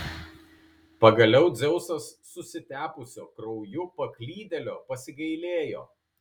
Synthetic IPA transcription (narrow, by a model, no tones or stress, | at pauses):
pɐɡɐlʲɛʊd̪zʲɛʊsɐsːʊsʲɪt̪ʲæːpʊsʲoːkɾɐʊjʊpɐklʲiːd̪ʲɛlʲoːpɐsʲɪɡɐɪlʲeːjo̰ː